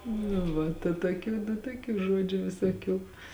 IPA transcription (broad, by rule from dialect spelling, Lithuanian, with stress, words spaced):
nʊ ˈʋɐ tɐ toːˈkʲuː nʊ toːˈkʲuː ˈʒuɔd͡ʒʲʊ ʋʲɪsoːˈkʲuː